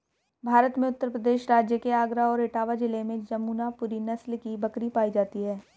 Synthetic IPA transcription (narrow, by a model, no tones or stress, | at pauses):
bʱaːɾət̪mẽʊt̪ːəɾpɾəd̪eːʃɾaːd͡ʒjəkeaːɡɾaɔːɾeːʈaːʋad͡ʒɪlemẽd͡ʒɐmuːnapʊɾinɐslkibɐkɾipaːid͡ʒaːt̪iɦɛː